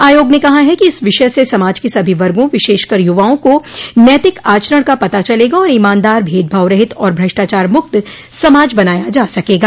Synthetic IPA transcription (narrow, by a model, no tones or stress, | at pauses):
aːjoːɡnekɐɦaɦɛkiɪsʋɪʃəsesɐmaːd͡ʒkesɐbʱiʋɐɾɡõʋɪʃeːʃkɐɾjʊʋaːõkonjɛt̪ɪkaːt͡ʃɾəɽ̃kapɐt̪at͡ʃɐleːɡaɔːɾɪmãːnd̪aːɾbʱeːd̪̚bʱaːʋɾɐɦɪt̪ɔːɾbʱɾɐʃʈaːt͡ʃaːɾmʊkt̪ | sɐmaːd͡ʒbɐnaːjad͡ʒaːsɐkeːɡaː